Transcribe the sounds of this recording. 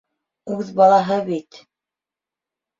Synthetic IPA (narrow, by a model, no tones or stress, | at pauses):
ʉðbɑlˠɑɦɤβit̪